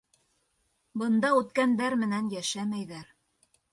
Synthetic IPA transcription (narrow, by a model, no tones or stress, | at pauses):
bɤ̆nd̪ɑʉt̪kænd̪æɾmɘ̆nænjæʃæmæjðæɾ